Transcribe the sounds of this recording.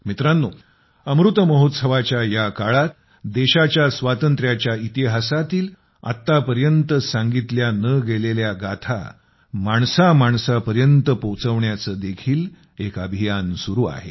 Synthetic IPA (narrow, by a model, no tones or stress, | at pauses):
mit̪ɾanːo | əmɾut̪əməɦot̪səʋat͡ɕjajakaɭat̪ | d̪eɕat͡ɕjasʋat̪ənt̪ɾjat͡ɕjait̪iɦasat̪iːl | a̰t̪ːapəɾjənt̪əsaŋɡit̪ljanəɡeleljaɡat̪ʰa̰ | maɳsamaɳsapəɾjənt̪əpot͡səʋɳjat͡səːd̪ekʰiːl | ekəbʱijansuɾuːa̰ɦe